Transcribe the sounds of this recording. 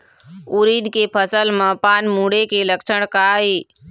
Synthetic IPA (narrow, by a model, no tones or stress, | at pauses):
uɾiːd̪kepʰəsəlmə̃paːnmũːɽekeləkʃʰəɽ̃kaɦiː